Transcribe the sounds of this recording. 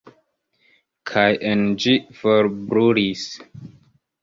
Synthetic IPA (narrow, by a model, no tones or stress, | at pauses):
kʰajʔɛnd͡ʒifɔɾbɾuɾis